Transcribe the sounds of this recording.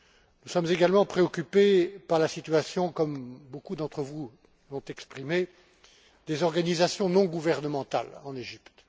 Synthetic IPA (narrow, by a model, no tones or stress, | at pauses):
nusɔmzeɡalmɑ̃pχeɔkʲypepaʁlasit̪ɥasjɔ̃kɔmbokud̪ɑ̃t̪χəvu | lɔ̃t̪ɛkspχime | d̪ezɔʁɡanizasjɔ̃nɔ̃ɡuvɛʁnəmɑ̃t̪a̰lɑ̃neʒipt̪